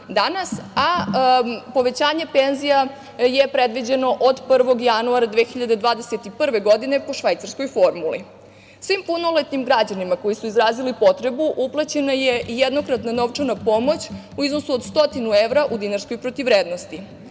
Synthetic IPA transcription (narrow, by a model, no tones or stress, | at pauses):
d̪anasa | po̞ʋe̞t͡ɕaːɲepe̞nzija | jepɾe̞d̪ʋid͡ʑe̞no̞ʔod̪pr̩ʋo̞ɡjanuaɾad̪ʋexiʎad̪e̞d̪ʋaːd̪e̞set̪ipr̩ʋe̞ɡo̞d̪ine̞po̞ʃʋajt̪saɾsko̞jfo̞ɾmulḭ | sʋimpunolˠet̪nimɡɾad͡ʑanimako̞jisuizɾaːzilipo̞t̪ɾe̞buʔuplˠat͡ɕe̞naje̞ʔijed̪no̞kɾat̪nano̞ʋt͡ʂanapo̞mo̞t͡ɕ | uizno̞suod̪st̪o̞t̪inueʋɾaʔud̪inaɾsko̞jpɾot̪iʋɾeːd̪nost̪i